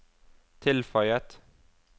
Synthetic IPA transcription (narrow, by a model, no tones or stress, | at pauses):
t̪ʰɪlfœʏət̪